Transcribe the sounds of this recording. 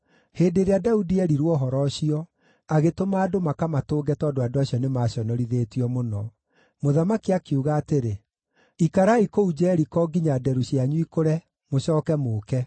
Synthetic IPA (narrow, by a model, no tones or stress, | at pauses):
heːndeɾeadaudiɛɾiɾwɔɦɔɾɔɕiɔ | aɣetomaːdomakamatoːɡɛtɔːdoadoaɕiɔnemaːɕjɔnɔɾiðeːtiɔmonɔ | moðamakiakuɣaːteɾe | ikaɾaikoud͡ʑɛːɾikɔɡiɲadɛɾuɕiaɲuikoɾɛ | moɕɔːkɛmoːkɛ